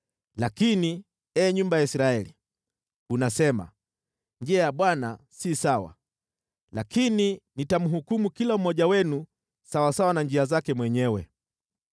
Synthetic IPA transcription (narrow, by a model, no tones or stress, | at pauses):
lakini | ɛːɲumbajaisɾaɛlḭ | unasɛma̰ | nd͡ʒɛajaɓwana | sisawa̰ | lakininitamuɦukumukilam̩mɔʄawɛnu | sawasawanand͡ʒiazakɛmwɛɲɛwɛ̰